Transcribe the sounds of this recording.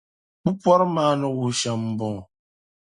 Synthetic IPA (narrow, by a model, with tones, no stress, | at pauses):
k͡pu˦pwɔ˦ɾmaː˨˦nɔ˨wu˨ʃa˨mm̩˨bɔ̃˨